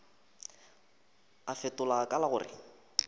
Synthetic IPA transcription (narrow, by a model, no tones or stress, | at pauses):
afetʼʊlakʼalaɣʊːrɪ̰